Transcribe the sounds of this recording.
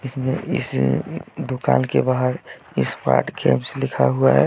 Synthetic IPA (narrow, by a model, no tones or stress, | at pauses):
ɪsmẽɪ̰s | d̪okaːnkebaɦəɾ | ɪspa̰ːʈɡeːmslɪkʰaɦuaɦɛ